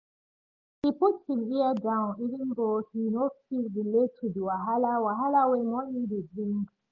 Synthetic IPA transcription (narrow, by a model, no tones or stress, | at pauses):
hiputsiviədãʊ̃nivə̃nðohinofildiletʰudiwaɦalawaɦalawemɔ̃nĩdebɹĩŋɡ